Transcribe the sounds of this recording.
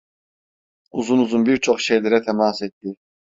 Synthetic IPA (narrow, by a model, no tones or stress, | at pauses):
uzunuzunbiɾt͡ʃʰoχʃejlʲeɾɛt̪ʰɛmaːset̪ːi